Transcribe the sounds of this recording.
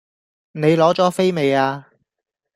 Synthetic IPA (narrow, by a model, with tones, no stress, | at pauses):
ne˨˧jlɔː˨˥t͡sɔː˨˥fe˥jme˨˧jaː˧